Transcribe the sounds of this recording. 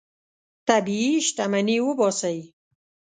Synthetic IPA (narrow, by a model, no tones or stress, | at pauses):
t̪abiiʃʈamaniwəbɑsaji